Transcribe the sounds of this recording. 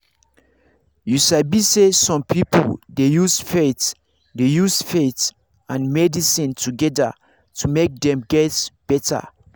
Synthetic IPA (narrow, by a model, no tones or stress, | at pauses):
juʃabisesɔ̃mpʰipoldejusfet | dejusfet | ãnmɛdisĩntʰuɡɛda̰ | tumek̚dɛ̃mɡɛtb̥ɛtʰa̰